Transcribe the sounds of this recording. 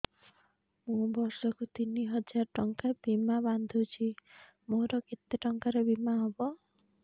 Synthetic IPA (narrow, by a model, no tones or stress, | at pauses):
mũbɔɾsɔkut̪iniɦɔd͡ʒaɾɔʈɔŋkabimaband̪ʱut͡ʃʰi | moɾɔket̪ːeʈɔŋkaɾebimaɦɔbɔ